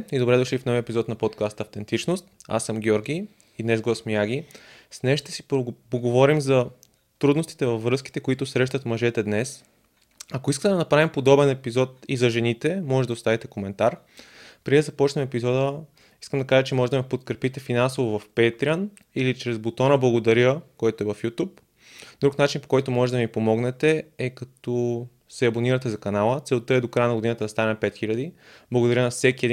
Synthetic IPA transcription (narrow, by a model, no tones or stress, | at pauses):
id̪obɾɛd̪ʊʃlifnɔviəɛpizɔt̪nɐpot̪kast̪ɐft̪ɛnt̪it͡ʃnost̪a̰sːəmɡʲɔɾɡʲi | id̪nɛzɡosmijaɡisnɛʃt̪ɛ̥si̥pboɡovɔɾimzɐ | t̪ɾud̪nost̪i̥t̪ɛvɐvːɾɤski̥t̪ɛkoit̪ʊsɾɛʃ̬t̪ɐt̪mɐʒɛt̪ɛd̪nɛs | ɐkoiskət̪ɛd̪ɐnɐpɾavimpod̪ɔbɛnɛpizɔt̪izɐʒɛnit̪ɛmɔʒɛd̪ɐost̪avit̪ɛkomɛnt̪aɾ | pɾiɛzɐpɔt͡ʃnɛmɛpizɔd̪ə | i̥skəmd̪ɐkaʒət͡ʃɛmɔʒɛd̪ɐmipot̪kɾɛpit̪ɛfinansovovɐfpɛt̪ɾʲiən | ilit͡ʃɾɛzbot̪ɔnəblˠɐɡod̪ɐɾəkɔjt̪oɛvɐfjut̪up | d̪ɾuknat͡ʃinpo̥kɔjt̪omɔʒɛd̪ɐmipomɔɡnɛt̪ɛɛkɐt̪ɔ | sɛɐboniɾɐt̪ɛzɐkɐnalˠət̪sɛlˠt̪ɤɛd̪okɾajənɐɡod̪inət̪əd̪ɐst̪anɛpɛt̪xiʎʲɐd̪iblˠɐɡod̪ɐɾʲənɐfsɛk̟iɛd̪i